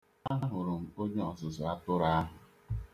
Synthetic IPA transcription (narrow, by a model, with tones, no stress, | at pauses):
a˦ɦa˦ɦʊ˨ɾʊ˨m̩˦˨o˦d͡ʒo˦ɔ˨zʊ˨zʊ˨a˦tʊ˦ɾa˦a˦ɦʊ˨